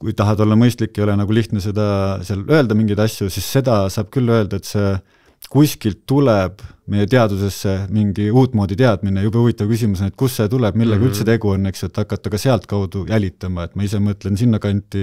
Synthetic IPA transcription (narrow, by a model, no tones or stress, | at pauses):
kujt̪ɑɦɑt̪o̞lːɑmɤjst̪likːˑejo̞lenɑɡ̥uliht̪nese̞d̪ɑseɑlʔø̞e̞ld̪ɑmiŋɡijd̪ɑsjusisːe̞d̪ɑsɑːb̥kylːø̞ːld̪ɑet̪se̞ | kuskilt̪ːuleb̥me̞je̞t̪e̞ɑd̪use̞sːe̞miŋɡ̥iuːt̪ːˑmo̞ːd̪it̪eɑd̪̥minejub̥ɑuvit̪ːˑɑvkys̬ʲimusnet̪̚ˑkusːet̪uleb̥milːeɡɑylt̪se̞t̪e̞ɡuo̞nːeksuet̪ːˑɑkːˑɑt̪ːɑɡ̥ɑse̞ɑlt̪kɑwd̪̥ujʔælʲit̪ːˑɑmɑe̞t̪mɑisemɤt̪ˑlensinːɑkɑnʲt̪ːˑi